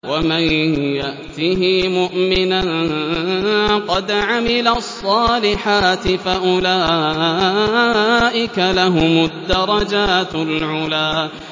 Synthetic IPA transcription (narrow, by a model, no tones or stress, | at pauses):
wamanjaʔt̪iːɦɪmʊʔmɪna | qɑd̪ʕamɪlasˤːɑːlɪħaːt̪ɪfaʔʊlaː | ʔɪkalaɦʊmad̪ːɑɾˤɑd͡ʒaːt̪lʕʊlaː